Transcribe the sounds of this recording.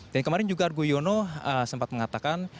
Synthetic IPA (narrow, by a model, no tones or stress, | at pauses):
dankəmaɾɪnd͡ʒuɡarɡujonoəsəmpat̪̚məŋat̪akan